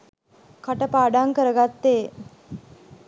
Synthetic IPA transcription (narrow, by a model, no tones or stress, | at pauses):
kaʈəpaːɖaŋkəɾəɡat̪ːeː